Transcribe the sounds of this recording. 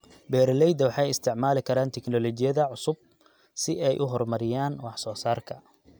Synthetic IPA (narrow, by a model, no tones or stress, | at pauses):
bɛːɾlɛjd̪ɐwɑħɑjɪst̪ʰɪʕmaːlɪkʰɐɾaːnt̪ʰɪknɔlɔt͡ʃɪjɐðɐʕʊsʊb̚ | sɪʔɛjʔʊɦɔrmɐɾɪjaːnwɑħsɔːsaːrkʰɐ